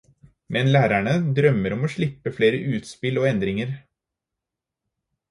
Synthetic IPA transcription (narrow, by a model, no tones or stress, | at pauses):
mɛnlæːɾæɳəd̪ɾœmːəɾɔmoːʂɭɪpːəfleːɾəʔʉːt̪spɪloːɛnd̪ɾɪŋəɾ